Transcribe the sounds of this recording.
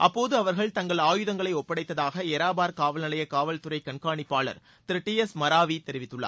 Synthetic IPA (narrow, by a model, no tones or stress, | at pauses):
ʔɐpːoːðɯɐʋɐɾɣɐɭt̪ɐŋɡɐɭaːjɯðɐŋɡɐɭɐɪɔpːɐɽɐɪt̪ːɐðaːɣɐɛɾaːbaːɾkaːʋɐlnɐɭɐjɐkaːʋɐlt̪ʊɾɐɪkɐɳkaːɳɪpːaːɭɐ̰ɾ | t̪ɪɾɪʈːiɛsmɐɾaːʋit̪ɛɾɪʋɪt̪ːɯɭːa̰ː